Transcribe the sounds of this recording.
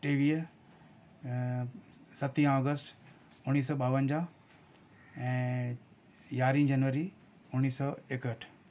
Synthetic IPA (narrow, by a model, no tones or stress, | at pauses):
ʈeːʋiː | sɐt̪ĩãɔːɡəsʈ | ʊniːs̬ɔːɓaːʋənd͡ʑa | ɛ̃ː | jaːɾĩd͡ʑɐnʋəɾi | ʊniːsɔːeːkəʈʰ